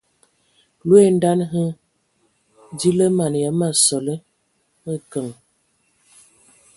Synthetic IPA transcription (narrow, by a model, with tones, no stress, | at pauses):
lwe˦n̩˦da˦nɦə˦ | di˦lə˦ma˨n˨ja˨˦ma˨sɔ˨lə˦ | ə˦kə˨ŋ